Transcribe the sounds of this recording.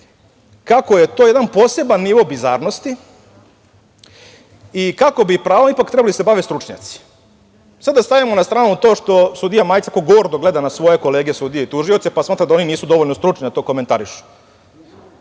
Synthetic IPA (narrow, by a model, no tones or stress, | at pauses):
kakojet̪oːje̞d̪anpo̞ːse̞banːiʋo̞bizaːɾno̞st̪i | ikako̞bipɾaːʋonipakt̪ɾɛbalid̪asebaʋest̪ɾut͡ʂɲa̰ːt̪si̥ | sad̪d̪ast̪aʋimonast̪ɾaːnut̪o̞ːʃt̪o̞sud̪ijamaːjt̪akoɡoɾd̪oɡle̞d̪anasʋo̞je̞ko̞le̞ːɡesud̪ijeit̪uʒiot̪sepasmaːt̪ɾad̪ao̞niniːsud̪o̞ʋoʎnost̪ɾut͡ʃnid̪at̪o̞ːko̞me̞nt̪aɾiʃu̥